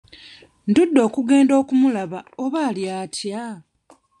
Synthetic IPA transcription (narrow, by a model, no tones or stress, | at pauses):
ndudːo̞ːkuɡe̞ːndo̞ːkumulaβaoβaːljaːtʰja